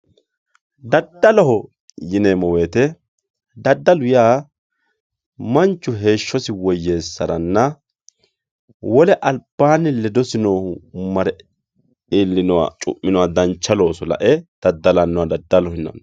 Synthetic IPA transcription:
d̪ɐd̪ːɐlɔɦɔ | jɪneːmɔweːt̪ɛ | d̪ɐd̪ːɐlʊjaː | mɐnt͡ʃːʊɦe̞ːʃːɔsɪwɔjːe̞ːsːɐɾɐnːɐ | wɔlɛʔɐlb̥ːaːnɪlɛd̪ɔsɪnoːmɐɾɛ | iːlːɪnɔwa̰t͡ʃʼʊ̰ʔːɪnɔwad̪ɐnt͡ʃːɐlo̞ːsɔlɐ̰ʔɛd̪̥ɐd̪ːɐlɐnːɔwad̪ɐd̪ːɐlɔhɪnːɐ̰n

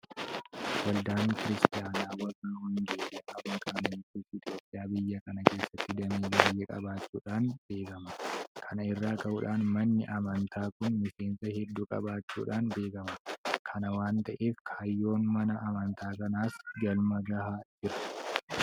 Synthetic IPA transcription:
wɐld̪aːŋkɪɾɪst̪ɪjaːnaːwɐrːɐhʊnd͡ʒ̪eʔɐbɐkʼaːnɐtːifɪt̪ʼjo̞ːpʼːɪjaːbɪjːɐkɐnɐke̞ːsːɐt̪ːɪd̪ɐmiːbaːjːekʼɐ̰baːt͡ʃːṵːᶑaːnbe̞ːkɐmɐkʰɐnɐɪrːaːkɐhʊːᶑaːnmɐnːɪʔɐmɐnt̪ʰaːkʊnmɪse̞ːnsɐhɛd̪ːuːkʼɐ̰baːt͡ʃːṵːᶑaːnbe̞ːkɐmɐkʰɐnɐwaːnt̪ɐʔeːfkʰaːjːo̞ːnmɐnɐʔːmɐnt̪aːkɐnaːsd͡ʒɐlmɐɡɐɦaːd͡ʒɪɾɐ̥

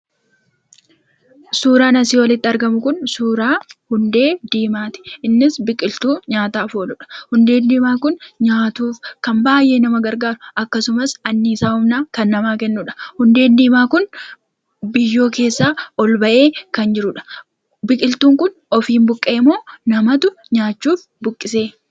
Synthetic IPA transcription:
suːɾaːnɐsiːwɐlɪt̪ːɪɐɾɡɐmʊkʊnsuːɾaːhʊnd̪e̞ːd̪iːmaːt̪ɪ̥ʔɪnːɪsbɪkʼɪlt̪uːɲaːt̪aːfoːlʊᶑɐ̥hʊnd̪e̞ːnd̪iːmaːkʊnɲaːt̪uːfkɐmbaːjʔeːnɐmɐɡɐɾɡaːɾʊʔɐkːɐsʊmɐsɐnːiːsaːhʊmnaːkɐnːɐmaːkɛnːʊᶑɐ̥hʊnd̪e̞ːnd̪iːmaːkʊn | bɪjːo̞ːke̞ːsːaːɔlbɐʔe̞ːkɐnd͡ʒɪɾʊᶑɐ̥ | bɪkʼɪlt̪uːŋkʊn | ɔfiːmbʊkʼːeːmo̞ːnɐmɐt̪ʊ | ɲaːt͡ʃːuːf | bʊkʼːɪse̞ː

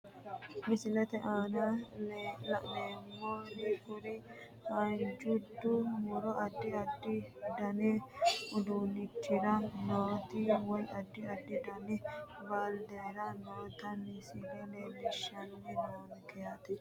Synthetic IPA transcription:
mɪsɪlɛt̪ɛʔaːnɐ | lɐ̰leːmːɔnɪkʊɾɪ | hɐnd͡ʒʊd̪ːʊmʊɾɔʔɐd̪ːɪɐd̪ːɪd̪ɐnɛʊd̪unɪtːɪɾɐnoːt̪ɪwɔjɐd̪ːɪɐd̪ːɪd̪ɐnɛbald̪ɛːɾɐnoːt̪ɐnːɪsiɡɛnelɪʃːɐnːɛnoːnkɛjɐt̪ɪ

